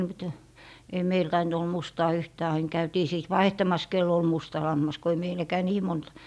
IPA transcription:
mŭt ei meil tɑint ol mustɑː yhtæː ɑin kæytiː siˑt ʋɑihtɑmɑs kelː ol mustɑ lɑmːɑs ko ei meilækæː niː mont

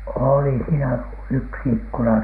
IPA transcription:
oˑli siːnæ yksi ikːunɑ

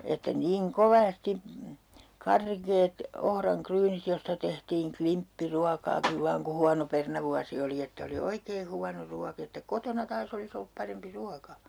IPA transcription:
etːæ niːŋ koʋɑsti kɑrkeːt ohrɑŋkryːnit jostɑ tehtiːŋ klimpːiruɑkɑːkiʋ ʋɑːŋ ku huɑno pernɑʋuɑsi oli etːæ oli oikeː huɑno ruɑk etːæ kotonɑ tɑːs olis olːup pɑrempi ruɑkɑ

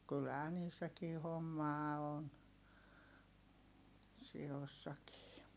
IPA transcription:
kylhæː niːsːækiː homːɑː on siosːɑkiː

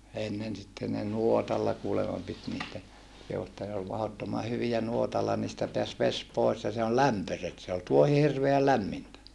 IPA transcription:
enːen sitːen ne nuotɑlːɑ kuːlemɑ pit niːtæ jɑ kehu etːæ ne ol mɑhotːomɑ hyʋijæ nuotɑlːɑ niːstæ peæs ʋes pois jɑ se on læmpøset se ol tuohi hirʋeæl læmːintæ

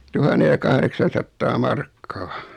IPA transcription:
tuhɑnːe jɑ kɑhreksɑn̞sɑtːɑː mɑrkːɑː

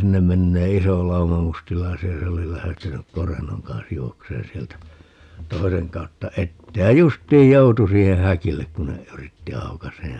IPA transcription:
sinːem menːeː iso lɑumɑ mustilɑisiɑ jɑ se oli læhtenyk korenːoŋ kɑns juokseːn sieltæ toiseŋ kɑutːɑ etːeː jɑ justˑiːj joutu siːhe hækilːek kun ne yritːi ɑukɑseː

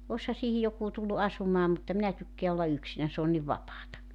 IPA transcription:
oshɑ siːhi jokuː tulːu ɑsumɑː mutːɑ minæ tykːeæ olːɑ yksinæn s oːn niʋ ʋɑpɑːtɑ

